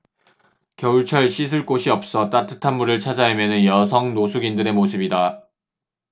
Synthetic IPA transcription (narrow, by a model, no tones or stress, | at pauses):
kjʌuɭt͡ɕʰʌɭɕʰisʰɯɭk͈oɕʰiʌp̚s͈ʌt͈atʰɯ̥tʰanmːuɾɯɭt͡ɕʰad͡ʑaɦemjʌnɯnjʌsʰʌŋnosʰuɡindɯɾe̞mosʰɯbida